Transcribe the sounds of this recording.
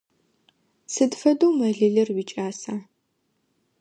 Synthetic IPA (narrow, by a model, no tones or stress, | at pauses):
sɨdfɐdowmɐɮɨɮɨrwiːt͡ʃʼaːsaː